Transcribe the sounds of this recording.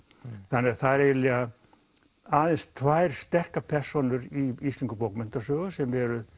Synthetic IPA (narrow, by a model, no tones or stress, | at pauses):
θanːɛɣθaðɾɛjɪlɛːɣa | aːðɛnst̪ʰvaːjɾ̥st̪ɛr̥kapʰɛr̥sɔnʏɾiist̪iŋkʏpowkmʏnt̪asœːɣʏsɛmɛɾʏ